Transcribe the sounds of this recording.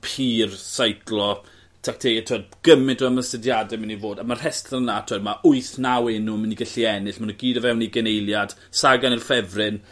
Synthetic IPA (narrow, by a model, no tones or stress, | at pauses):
pʰiːrsajkʰlˠɔ | tʰak̚tʰejɛtʰoːd̚ɡ̥əmɪdɔəməstədjadɛmnivoːdamar̥hɛstɪnːatʰoːdmaʔʊɨθnawɪnuməniɡəɬiɛnɪɬmanuɡiːdəvɛwniɡɛnejlˠjad̥ | saɡanirfɛvrɪn